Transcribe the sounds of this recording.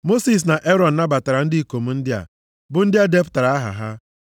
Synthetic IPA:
mo˦si˨s̬na˨ʔe˦ɾɔ˨n̩˨na˦ba˨ta˨ɾa˨n̩˦dɪ˦i˦˨ko˨m̩˦n̩˦dɪ˦a̰˨ | bʊ˨n̩˦dɪ˦a˦de˦pʊ̥˨ta˨ɾa˨˦a˦ɦa̰˨ɦa˦

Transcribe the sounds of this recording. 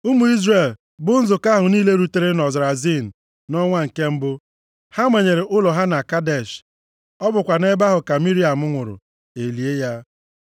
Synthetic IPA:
u˦mu˨i˦zre˨l | bʊ˦n̩˦zʊ˨ka˦ɦʊ˨niː˦le˦ɾu˨te˦ɾe˦nɔ˨zɪ˨ɾa˨zi˦˨n̩˨ | nɔ˦ŋʷa˦ŋ̩˨ke˦m̩˦bʊ˦ | ha˦mʷe˨ɲe˨ɾe˨ʔʊ˦lɔ˨ɦa˦na˨ka˦de˨ʃ | ɔ˦bʊ˨kʷa˨ne˦ba˦ɦʊ˨ka˨mi˦ɾi˦a˨mʊ˦ŋʷʊ˨ɾʊ̰˨ | e˨li˨e˦ja˦

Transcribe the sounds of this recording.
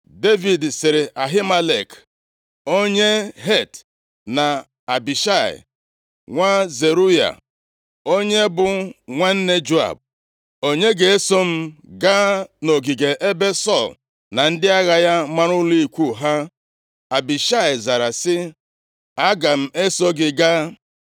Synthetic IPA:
de˦vi˨dsɪ˨ɾɪ˨ʔa˨ɦi˦ma˦le˨k | o˦ɲe˦ɦe˦˨t | na˨ | a˨bi˨ʃa˦˨ɪ̰˨ | ŋʷa˦ze˨ɾu˦ja̰˨ | o˦ɲe˦bʊ˨ŋʷa˦n̩˦ne˦d͡ʒu˦a̰˨b̚ | o˦ɲe˦ɡe˨e˦so˦m̩˦ɡa˦no˨ɡi˨ɡe˨ʔe˦be˦sɔ˦˨l | na˨n̩˦dɪ˦a˦ɣa˨ja˦ma˦ɾʊ˦li˨kʷu˦˨ɦa˦ | a˨bi˨ʃa˦˨ɪ˨za˨ɾa˨sɪ˦ | a˦ɡa˨m̩˦e˦so˦ɡɪ˦ɡa˦

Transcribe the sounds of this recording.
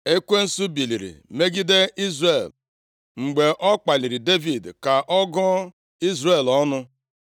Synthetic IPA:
e˦kʷe˦n̩˦su˦bi˨li˨ɾḭ˨me˦ɡi˦de˦i˦zre˨l | ŋ͡m̩˨ɡ͡be˨ʔɔ˦k͡pa˨li˨ɾi˨de˦vi˨dka˨ʔɔ˦ɡɔ˦ | i˦zrɾe˨lɔ˦nʊ˦

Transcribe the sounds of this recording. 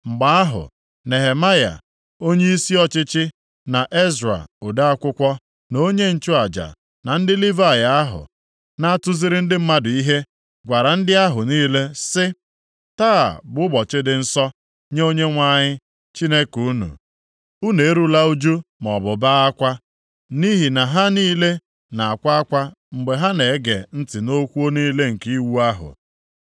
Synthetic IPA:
ŋ͡m̩˨ɡ͡ba˦a˦ɦʊ̰˨ | ne˨ɦe˨ma˦ja̰˨ | o˦ɲe˦i˦si˦ɔ˦t͡ʃɪ˦t͡ʃɪ˦ | na˨ʔe˦zɾa̰˨o˨da˦a˦kʷʊ˦kʷɔ˦ | no˦ɲe˦n̩˨t͡ʃʊ˦a˨d͡ʒa̰˨ | na˨n̩˦dɪ˦li˦va˦˨ja˨a˦ɦʊ̰˨ | na˦tʊ˦zɪ˦ɾɪ˦n̩˦dɪ˦m̩˦ma˦dʊ˨i˦ɦe˦ | ɡʷa˨ɾa˨n̩˦dɪ˦a˦ɦʊ˨niː˦le˦sɪ˦ | ta˦a̰˨bʊ˦bɔ˨t͡ʃɪ˦dɪ˨n̩˦sɔ˦ | ɲe˦o˦ɲe˦ŋʷa˦ɲɪ˦ | t͡ʃi˦ne˦ku˨˦nṵ˨ | u˦ne˨e˦ɾu˦la˦u˦d͡ʒu˦mɔ˨bʊ˨ba˦a˦kʷa˦ | ni˦ɦi˨na˨ɦa˦niː˦le˦ | na˨a˨kʷa˦a˦kʷa˦ | ŋ͡m̩˨ɡ͡be˨ɦa˦ne˨˦ɡḛ˨n̩˦tɪ˨no˦kʷu˦o˦niː˦le˦ŋ̩˨ki˦wu˦a˦ɦʊ̰˨

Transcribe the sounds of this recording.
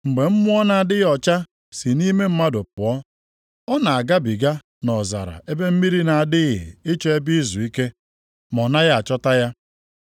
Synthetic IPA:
ŋ͡m̩˨ɡ͡be˨m̩˦mʊ˦ɔ˦na˨a˨dɪ˦ɣɔ˨t͡ʃa˦ | si˨ni˦me˦m̩˦ma˦dʊ˨pʊ˨ɔ˦ | ɔ˦na˨a˨ɡa˦bi˨ɡa˦ | nɔ˨za̰˨ɾa̰˨e˦be˦m̩˦mi˦ɾi˦na˨a˨dɪ˦ɣɪ̰˨ɪ˦t͡ʃɔ˦e˦bi˦i˦zu˨i˦ke˦ | mɔ˨na˦ɣa˦a˨t͡ʃɔ˦ta˦ja˦

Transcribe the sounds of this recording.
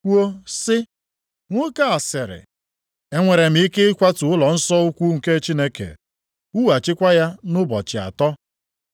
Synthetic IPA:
ku˦o˦sɪ˦ | ŋʷʊ˦ka˦a˨sɪ˨ɾɪ̰˨ | e˦ŋʷe˨ɾe˨m̩˦i˦ke˦kʷa˦tʊ˨ʊ˦lɔ˨n̩˦sɔ˦u˦kʷu˦ŋ̩˨ke˦t͡ʃi˦ne˦kḛ˨ | u˦wa˨t͡ʃɪ˦kʷa˦ja˦nʊ˦bɔ̰˨t͡ʃɪ˨a̰˨tɔ˦

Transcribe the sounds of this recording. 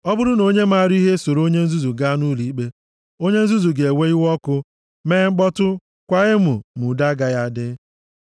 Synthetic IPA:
ɔ˦bʊ˦ɾʊ˦no˦ɲe˦ma˦˨ɾi˦ɦe˦so˨ɾo˦ɲe˦n̩˦zu˦zu˨ɡa˦nu˦li˦k͡pe˦ | o˦ɲe˦n̩˦zu˦zu˨ɡe˨e˨we˦i˦wɔ˦kʊ˦ | meː˦ŋ͡m̩˦k͡pɔ˦tʊ˦ | kʷa˦ɣɪ˦mʊ˨mʊ˨da˦ɡa˨ja˦˨dɪ˦

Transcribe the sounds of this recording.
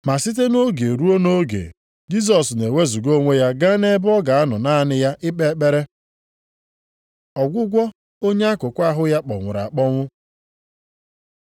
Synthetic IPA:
ma˨si˦t̬e˦no˦ɡe˨ɾu˦o˦no˦ɡḛ˨ | d͡ʒi˦s̬ɔ˨sne˨we˦zu˨ɡo˦ŋʷe˦ja˦ɡa˦ne˦bɔ˦ɡa˨a˦nʊ˨na˦˨nɪ˦ja˦ʔɪ˦k͡pe˦k͡pe˦ɾe˦ | ɔ˨ɡʷʊ˦ɡʷɔ˦ | o˦ɲe˦a˦kʊ˨kʷa˦ɦʊ˦ja˦k͡pɔ̰˨ŋʷʊ̰˨ɾa̰˨k͡pɔ˦ŋʷʊ˦

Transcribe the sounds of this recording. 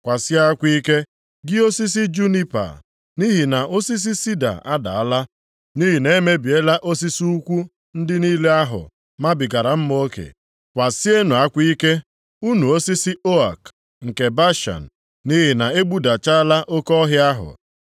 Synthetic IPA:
kʷa˨sɪ˦a˦kʷi˦ke˦ | ɡɪ˦o˦si˦s̬ɪ˦d͡ʒu˦ni˦pa̰˨ | ni˦ɦi˨na˨o˦si˦s̬i˦si˦da̰˨ʔa˦da̰˨a˦la˦ | ni˦ɦi˨ne˦me˦bi˨e˦la˦ʔo˦s̬i˦si˦u˦kʷu˦ | n̩˦dɪ˦ni˦le˦a˦ɦʊ̰˨ | ma˦bɪ˨ɡa˨ɾa˨m̩˦m˦o˦kḛ˨ | kʷa˨sɪ˦e˦nʊ˨a˦kʷi˦ke˦ | u˦nu˨o˦si˦sɪ˦o˦a˨k | ŋ̩˨ke˨ba˦ʃa̰˨n̩˨ | ni˦ɦi˨na˨e˦ɡ͡bu˦da˨t͡ʃa˦la˦ʔo˦kɔ˦ɦɪ˦a˦ɦʊ̰˨

